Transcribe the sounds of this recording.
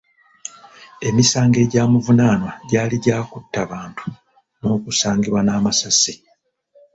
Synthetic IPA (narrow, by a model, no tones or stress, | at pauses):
e̞misaːŋɡe̞ɟaːmuvunaːnwaɟaːliɟaːkutːaβaːntʰu̥ | no̞ːkusaːŋɡiβwanaːmasasi